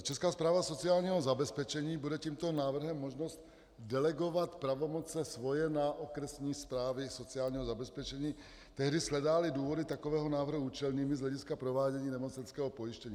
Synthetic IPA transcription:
t͡ʃɛskaːspɾaːvaso̞t͡sɪaːlɲiːɦozabɛspɛt͡ʃɛɲiːbudɛciːmt̪onaːvr̩ɦɛmːoʒnost̪ | dɛlɛɡovat̪pɾavomot͡sɛsvojɛnaʔokɾɛsɲiːspɾaːvɪsot͡sɪaːlɲiːɦozabɛspɛt͡ʃɛɲiː | t̪ɛɦdɪslɛdaːlɪduːvodɪt̪akovɛːɦonaːvr̩ɦuuːt͡ʃɛlɲiːmɪzlɛɟiskapɾovaːɟɛɲiːnɛmot͡sɛnskɛːɦɔpojɪʃcɛɲiː

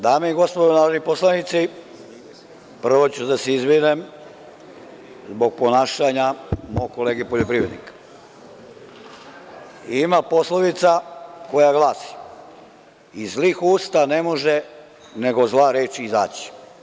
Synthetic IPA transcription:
d̪aːmeiɡo̞spod̪onaːɾod̪niposlˠanit̪si | pr̩ʋo̞t͡ɕud̪aseizʋinem | zbo̞ɡ̚po̞naːʃaɲamoɡko̞leːɡepoʎopɾiʋɾe̞d̪nḭkḁ | imapo̞slˠoʋit̪sako̞jaɡlˠaːsi̥ | izliːxuːst̪ane̞mo̞ʒe | ne̞ɡo̞zlˠaɾeːt͡ʃiiza̰ːt͡ɕi̥

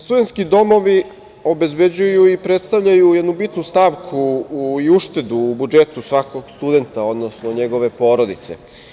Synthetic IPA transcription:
st̪ud̪ent̪skid̪o̞mo̞ʋi | o̞be̞zbe̞d͡ʑujuipɾet̪st̪aʋʎajujed̪nubit̪nust̪aʋkʰuiuʃt̪e̞d̪uːbud͡ʒet̪usʋako̞ɡst̪ud̪e̞nt̪ao̞d̪no̞snoɲe̞ɡo̞ʋe̞po̞ːɾo̞d̪it̪sḛ

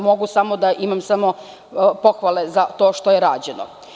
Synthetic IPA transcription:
mo̞ɡusamod̪aʔimamsamo̞ | po̞xʋalˠezat̪o̞ːʃt̪ojeɾaːd͡ʑeno̰

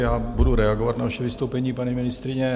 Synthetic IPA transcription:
jaːbuduɾɛaɡovat̪navaʃɛvɪst̪owpɛɲiːpaɲimɪnɪst̪ɾɪɲɛ

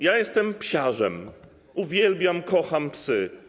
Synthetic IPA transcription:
jajɛst̪ɛmpɕaʐɛm | uvʲjɛlbʲjamkɔxampsɘ

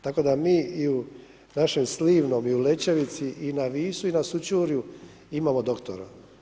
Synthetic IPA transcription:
t̪ako̞d̪amiːiu | naʃemsliːʋno̞miule̞t͡ɕeʋit̪siʔinaʋiːsuinasut͡ɕuːɾju | imaːmod̪o̞kt̪o̰ɾa̰

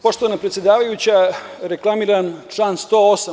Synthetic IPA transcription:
po̞ʃt̪oʋanapɾet̪sjed̪aːʋajut͡ɕa | ɾe̞klˠamiːɾant͡ʃlaːnst̪oːosa

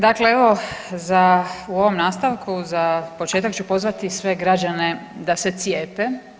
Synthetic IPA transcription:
d̪akle̞eʋo̞zauo̞ʋo̞mnaːst̪aʋkuzapot͡ʃe̞ːt̪akt͡ʃupo̞zʋat̪isʋe̞ɡɾad͡ʒane̞d̪ase̞t̪sjeːpe

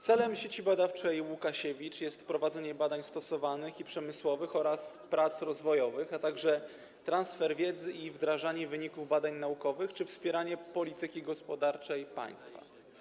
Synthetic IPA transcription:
t̪sɛlɛmɕet͡ɕibad̪aft͡ʂɛjwukaɕɛvʲit͡ʂjɛst̪pɾɔvad̪zɛɲɛbad̪aɲst̪ɔsɔvanɘxipʂɛmɘswɔvɘxɔɾaspɾat̪sɾɔzvɔjɔvɘxat̪aɡʐɛ | t̪ɾansfɛɾvʲjɛd̪zɘʔivd̪ɾaʐaɲɛvɘɲikuvbad̪aɲnaukɔvɘxt͡ʂɘfspʲjɛɾaɲɛpɔlʲit̪ɘkʲiɡɔspɔd̪aɾt͡ʂɛjpa̰j̃st̪fa̰

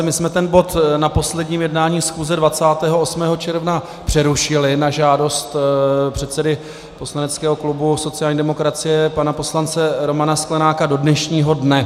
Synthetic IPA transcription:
mɪsmɛt̪ɛnbo̞t̪napo̞slɛdɲiːmjɛdnaːɲiːsxuːzɛdvat͡saːt̪ɛːɦo̞ʔosmɛːɦo̞t͡ʃɛɾvna | pr̝̥ɛɾuʃɪlɪnaʒaːdo̞st̪pr̝̥ɛt̪t͡sɛdɪ | po̞slanɛt͡skɛːɦo̞klubuso̞t͡sɪjaːlɲiːdɛmo̞kɾat͡sɪjɛpanapo̞slant͡sɛɾo̞manasklɛnaːkado̞dnɛʃɲiːɦo̞dnɛ

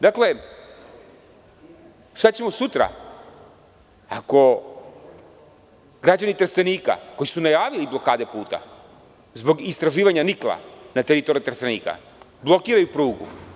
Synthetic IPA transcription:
d̪akle̞ | ʃt̪at͡ɕemosut̪ɾa̰ | ako̞ | ɡɾad͡ʑanit̪ɾseniːka̰ko̞jisunajaːʋiliblˠo̞kaːd̪e̞puːt̪a̰ | zbo̞ɡist̪ɾaʒiːʋaɲaniklˠa̰nat̪eɾit̪oɾit̪ɾsenḭːka̰ | blˠo̞kiːɾajupɾuːɡṵ

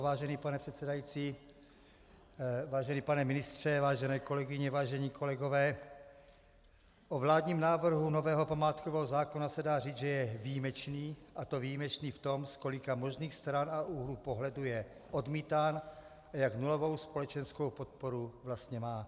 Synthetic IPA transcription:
vaːʒɛniːpanɛpr̥ɛt̪sɛdajit͡siː | vaːʒɛniːpanɛmɪnɪst̪r̝̥ɛvaːʒɛnɛːko̞lɛɡɪɲɛvaːʒɛɲiːkʰo̞lɛɡovɛː | ʔovlaːdɲiːmnaːvr̩ɦunovɛːɦo̞pamaːt̪kovɛɦozaːkonasɛdaːriːd͡zʒɛjɛvijimɛt͡ʃniːʔat̪o̞vijimɛt͡ʃniːft̪o̞msko̞lɪkamo̞ʒniːxst̪ɾanaʔuɦluːpoɦlɛdujɛ | ʔo̞dmiːt̪aːn | ʔajaknulovo̞wspo̞lɛt͡ʃɛnskowpot̪̚poɾuvlast̪ɲɛmaː

